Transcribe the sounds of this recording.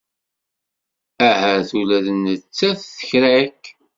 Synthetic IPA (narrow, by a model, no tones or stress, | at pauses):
æhəθulæðənət͡sːæθθə̥çɾæk